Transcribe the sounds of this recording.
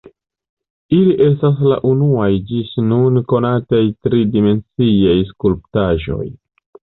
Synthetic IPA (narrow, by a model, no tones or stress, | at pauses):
iliʔe̞stas̬la̰ʔunuajd͡ʒisnunko̞natajtɾidime̞nt͡siajskulp̚taʒo̞̰j